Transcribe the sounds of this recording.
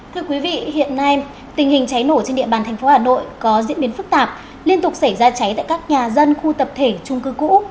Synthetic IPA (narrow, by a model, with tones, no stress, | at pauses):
t̪ʰɨ˧əkwi˨˦vḭ˧˨hḭ˧˨ənːa˧j | t̪ï˨˩ŋ̟hï˨˩ŋ̟t͡ɕa˨˦jno˧˩t͡ɕe˧nɗḭ˧˨ɓaː˨˩t̪ʰɛ˨˩jŋ̟fo˨˦haː˨˩no̰˧˨jkɔ˨˦zḭ˧˥ənɓi˨˦ənfɨ˦˥k̚t̪aː˨˩p̚ | li˧ənt̪ʊ˨˩k͡p̚sa˧˩jzaː˧t͡ɕa˨˦jt̪a̰ː˧˨kaː˦˥k̚ɲaː˨˩zə˧nxu˧t̪ə˨˩p̚t̪ʰe˧˩t͡ɕʊ˧ŋ͡mkɨ˨˦kṵ˧˥